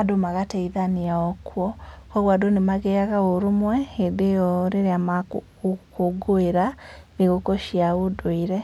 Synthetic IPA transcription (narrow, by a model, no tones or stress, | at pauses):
adomaɣateiðaniaɔkwɔkɔɣwadonemaɣeaɣaoɾumwɛedejɔɾeɾeamak | koɡoeɾaniɣokoʃjaodoiɾɛ